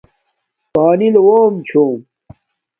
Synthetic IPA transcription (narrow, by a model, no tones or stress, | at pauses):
paːnilwoːmt͡ɕʰuːm